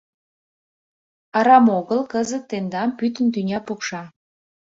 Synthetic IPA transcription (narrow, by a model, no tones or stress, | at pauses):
ɑɾɑmoɣəlkəzət̪ːend̪ɑmpyt̪̬ənt̪ynʲɑpukʃɑ